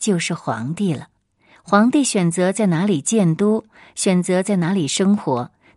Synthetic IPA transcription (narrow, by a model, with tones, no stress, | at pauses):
t͡ɕjo˥˧ʊʂɻ̩˥˩xwɑ̰˧˥ŋt̪i˥˩lə˩ | xwɑ˧˥ŋt̪i˥˩ɕɥɛ˨˩nt͡sɤ˧˥t͡sa˥˩ɪna˧˥li˨˩t͡ɕjɛ˥˩nt̪u˥ | ɕɥɛ˨˩nt͡sɤ˧˥t͡sa˥˩ɪna˧˥li˨˩ʂɤ˥ŋxwɔ˧˥